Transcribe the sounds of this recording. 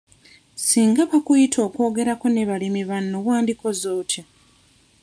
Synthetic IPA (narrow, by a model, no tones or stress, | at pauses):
siːŋɡaβakujitʰo̞ːko̞ːɡe̞ɾako̞ne̞βalimiβanːowaːndiko̞zo̞ːto